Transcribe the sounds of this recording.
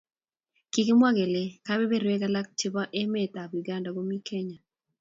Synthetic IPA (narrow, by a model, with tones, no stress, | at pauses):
ki˨ki˦mwa˦ɡe˨le˨ka˦be˦be˦ɾe˦ka˦la˦k̚t͡ʃɪ˦ba˦ʔe˦me˦t̪a˨bi˨ɡa˦nda˨ɡo˦mi˦kʰe˦ɲa˨